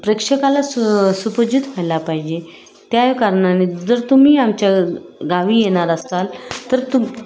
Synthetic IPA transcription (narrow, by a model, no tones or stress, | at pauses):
pɾekʂəkalassupəd͡ʑut̪fajlapaɦid͡ʑe | t̪jajkaɾɳaned͡zəɾt̪um̤iːamt͡ɕjaɡaʋiːjeɽ̃aɾəst̪alt̪əɾt̪um